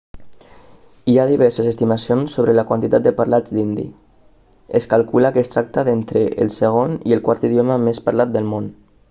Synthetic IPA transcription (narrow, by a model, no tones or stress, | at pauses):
iaðiβ̞ɛɾsəzəst̪imasionsːoβɾələkwant̪it̪at̪̚d̪əpaɾlad͡zd̪ind̪ḭ | əskalkuləkəːst̪ɾak̚t̪aðent̪ɾəʔə̰lˠsəɣ̞onḭəlˠkwaɾt̪iðjoməmespaɾlat̪̚d̪əlˠmon